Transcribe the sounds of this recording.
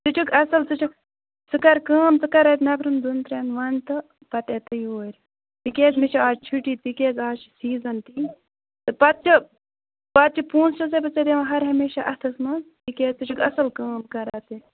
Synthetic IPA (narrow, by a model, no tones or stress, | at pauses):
t͡sɨt͡ʃʰukʰɐsɐlt͡sɨt͡ʃʰuk | t͡sɨkɐɾkaːmt͡sɨkɐɾɐːt̪nɐpʰɾɐnd̪unt̪ɾeːnʋɐnt̪ɨ | pɐt̪eːt̪ɐioːɾʲ | t̪ikʲeːkmiʃaaːd͡ʒt͡ʃʰuʈiːt̪ikʲeːɡaːt͡ʃsiːzɐnt̪i | t̪ɨpɐt̪̚t͡ʃʰi | pɐt̪̚t͡ʃʰipuːnst͡ʃɐsepɐt͡sed̪emɐɦɐɾɦɐmeːʃaʔɐt̪ʰɐsmɐt̪ikeːt͡sɨt͡ʃʰukɐ̰sɐlkaːmkɐɾaːt̪e